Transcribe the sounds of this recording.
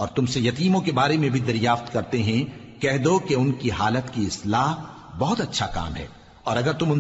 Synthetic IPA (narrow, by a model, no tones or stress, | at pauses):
ɔːɾt̪ʊmsejɐt̪iːmõkebaːɾemẽbʱid̪ɐɾjaːft̪kɐɾt̪eɦɛ̃ | kɛɦd̪okeʊnkiɦaːlət̪kiɪslaːɦ | bɔɦʊt̪ɐtːʃʰaka̰ːmɦɛ̰ː | ɔːɾɐɡəɾt̪ʊmʊn